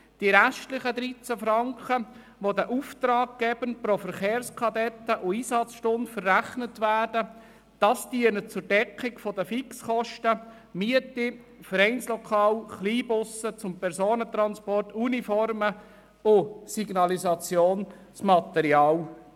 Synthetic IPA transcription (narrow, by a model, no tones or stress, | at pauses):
d̥iɾæʃtlɪχəd̪ɾit͡sæfɾɑŋkχə | ʋodəʔuft̪ɾɑːɡ̚ɡ̥ɛb̥ənpɾofəɾχeːrskʰɑdɛtːəʔʊiːsɑt͡sʃtʊntfərːæχnətʋæːɾdə | d̥ɑstiənət͡sʊɾdɛkːɪkfɔdəfiksχɔʃtə | miətifəɾɛɪnslɔkʰɑːlχliːbʊsət͡sʊmpɛɾsoːnət̪ɾɑnspɔrtunifɔrmə | ʊsiɡnɑlizɑt͡sjoːn | smɑt̪ɛɾjɑːl